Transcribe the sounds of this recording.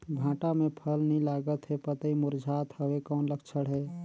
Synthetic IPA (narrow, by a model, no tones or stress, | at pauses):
bʱãːʈamẽpʰəlnilaɡət̪ɦepət̪əimuɾd͡ʒʱat̪həwekɔːnləkʰt͡ʃʰəɽɦɛ